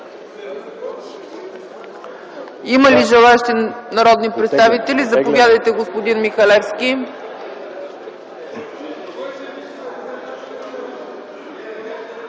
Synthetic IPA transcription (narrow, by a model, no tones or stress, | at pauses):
iməliʒɛlˠaɛʃt̪ɛnɐɾɔd̪nipɾɛt̪st̪avit̪ɛlizɐpovʲjad̪əjt̪ɛɡospod̪inmixɐlɛfskʲi